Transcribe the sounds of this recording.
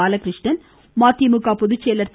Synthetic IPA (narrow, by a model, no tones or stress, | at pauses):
aːlɐkɾɪʂɳɐn | maːt̪imɯkːaːpɔðɯt͡ʃːeːlɐɾt̪